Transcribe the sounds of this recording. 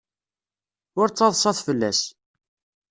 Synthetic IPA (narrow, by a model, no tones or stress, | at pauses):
ʊɾt͡sːɑðˤsˤɑθfəlːæ̰s